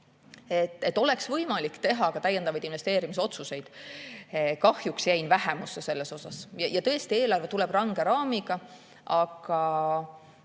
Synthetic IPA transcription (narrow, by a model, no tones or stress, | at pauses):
e̞t̪ːˑet̪ːˑo̞lɛ̞ksvɤ̞jmɑlikːt̪e̞ɦɑkɑt̪æjːend̪ɑvɑjd̪invest̪e̞ːɾimis̬o̞t̪suse̞jd̪̥ | kɑhjuksjæjnvæɦemusːese̞lːeso̞sɑsjɑjɑt̪ɤ̞est̪ie̞ːlɑrve̞t̪ulɛb̥rɑŋɡe̞ɾɑːmiɡ̥ɑ | ʔɑɡ̥ɑ